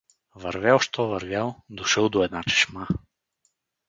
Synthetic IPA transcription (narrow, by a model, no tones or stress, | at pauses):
vɐɾvʲɛlˠʃt̪ʰɔvɐɾvʲjalˠd̪oʃəlˠd̪oɛd̪nat͡ʃɛ̥ʃma